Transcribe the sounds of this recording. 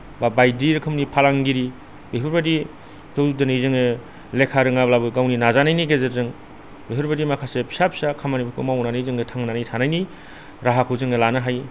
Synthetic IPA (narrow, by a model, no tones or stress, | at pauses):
babajdiɾɯkʰɯmnipʰalaŋɡiɾi | beɦɯɾbadi | tʰowudɯnɯizɯŋɯ | lekʰaɾɯŋablabɯɡawninazanajniɡezeɾzɯŋ | beɦʰɯɾbadimakʰasepʰi̥sap̚sakʰamanibikʰɯmawnanɯizɯŋɯtʰaŋnanajtʰanajni | ɾaɦakʰɯwzɯŋɯlanɯɦaj